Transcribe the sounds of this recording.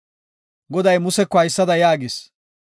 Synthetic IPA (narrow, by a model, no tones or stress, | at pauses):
ɡɔd̪ɐjmʊsɛkːɔhɐjsːɐd̪ɐjaːɡɪs